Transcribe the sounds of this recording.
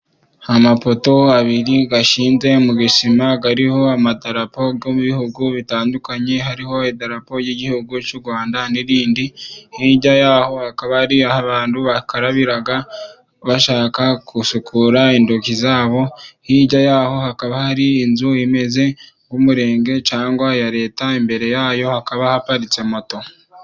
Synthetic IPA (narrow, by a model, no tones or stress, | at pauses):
hamapo̞to̞aβiɾiɡaʃiːnze̞muɡisimaɡaɾiho̞amadaɾapo̞ɡo̞muβihuɡuβitaːndukaɲe̞ɦaɾiho̞edaɾapo̞jeɟihuɡucuɾɡwaːndaniɾiːndihiːɟajaːho̞hakaβahaɾiahaβaːnduβakaɾaβiɾaɡa | βaʃaːkakʰusukʰuɾaindokizaːβo̞hiɟajaho̞hakaβahaɾiːnzuime̞ze̞ŋɡumuɾe̞ːŋɡe̞t͡ʃaːŋɡwajaɾe̞ːtaimbe̞ɾe̞jaːjo̞hakaβahapaɾit͡se̞mo̞to̞